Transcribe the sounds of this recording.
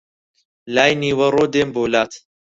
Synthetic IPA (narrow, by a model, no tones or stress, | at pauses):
laːjniːwɐɾoːd̪eːmboːlaːt̪